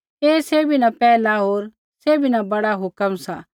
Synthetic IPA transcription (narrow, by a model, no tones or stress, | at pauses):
eːseːbʱinɐpɛːlaɦoːɾ | seːbʱinabɐɽaɦʊkəmsa̰